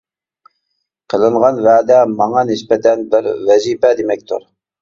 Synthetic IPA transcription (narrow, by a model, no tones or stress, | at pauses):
qʰəlˠɨɴʁɑnvæːd̪ɛmɑŋɑnɪspɛt̪ʰɛnbɪɾvɛziːpɛd̪emɛk̚ʲt̪ʰṵɾ